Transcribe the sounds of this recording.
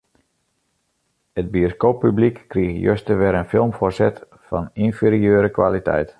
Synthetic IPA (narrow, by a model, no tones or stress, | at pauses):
əd̚bioskoːpːyblikːriəɣjø̰stəʋɛɾənfɪlˠmforsɛt | fɔ̰ninfiɾiøːɾəkʋa̰ːlitʰɛ̰jt